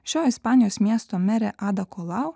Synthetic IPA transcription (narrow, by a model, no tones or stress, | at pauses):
ʃʲoːɪspɑːnʲɪjoːsmʲiɛst̪omʲɛɾʲɛʔɑːd̪ɐkɔlˠɑʊ